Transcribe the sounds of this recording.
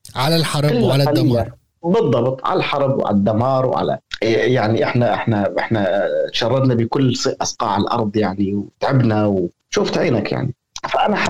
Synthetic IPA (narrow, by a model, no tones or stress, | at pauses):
ʕalalħɑɾˤlːalaalːamɑaɾˤ | bɨd̪ˤːɑbt̪ˤʕa̰lalħɑɾˤbw̰ʕa̰lad̪ːamɑːɾˤwʕa̰la̰jaʕniʔɪħnaʔɪħnaʔɪħnat̪ʃɑrˤːɑd̪nabɪkʊlːsʔɑsqɑ̰ːʕɪlʔɑ̰ɾˤd̪ˤjaʕniwt̪ʕɪbnaw | ʃuːft̪ʕiːnakja̰ʕni | faʔanaħa